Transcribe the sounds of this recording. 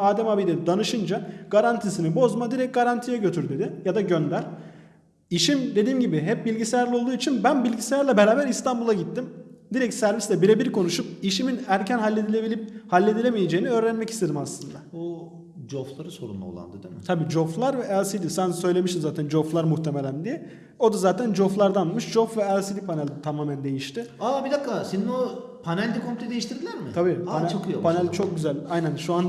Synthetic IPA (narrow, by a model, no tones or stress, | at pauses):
aːd̪ɛmabid̪ed̪id̪anɯʃɯnd͡ʒaɡ̥aɾant̪ʰisinibo̞zmad̪iɾɛc̚ɡaɾant̪ʰijɛɟø̞t̪ʰyɾd̪e̞d̪ɪjad̪aɟønd̪æɾ | iʃimd̪e̞d̪iːmɟibɪɦɛp̚bilʲɟisejæɾlʲio̞lˠd̪uːit͡ʃʰinbænbilʲɟisejæɾlʲɛbe̞ɾaːbæɾist̪ʰambulˠaɟit̪ːimd̪iɾɛcsæɾvislɛbiɾebiɾkʰo̞nuʃup̚iʃiminæɾcʰænɦalʲːed̪ilʲebiip̚halʲːe̞d̪ilʲemije̞d͡ʒeːiniøːɾænmɛci̥st̪ʰe̞d̪imaslˠɯnd̪ao | d͡ʒoflˠaɾɯso̞̰ɾṵnlˠa̰o̰lˠa̰nd̪ɯd̪imɪt̪ʰabiːd͡ʒoflˠaɾvɛːlʲˠsid̪isænsø̞jlʲe̞miʃt̪imzaːt̪ʰænd͡ʒo̞flˠaɾmuht̪ʰe̞melʲænd̪ijɛ | o̞d̪azaːt̪ʰænd͡ʒoflˠaɾd̪anˠmɯʃd͡ʒofvɛælˠsid̪ipʰanælʲd̪t̪ʰamaːmænd̪e̞jiʃt̪ɪabid̪akːasenino | pʰanælʲd̪ikʰompʰilʲed̪ejiʃt̪ʰiɾd̪ilʲæɾmɪabiːant͡ʃʰokijopʰanælʲt͡ʃʰo̞k̚ɟyzælʲajnænʃuan